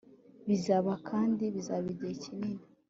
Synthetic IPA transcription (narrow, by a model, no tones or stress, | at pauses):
βizaβakʰaːndiβizaβiɟecinini